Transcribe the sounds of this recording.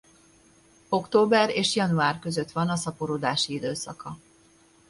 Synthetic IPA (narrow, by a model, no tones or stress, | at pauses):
o̞kt̪oːbɛreːʃjɒnuaːrkø̞zø̞t̪ʋɒnɒsɒpoɾoːd̪aːʃiid̪øːsɒ̰kɒ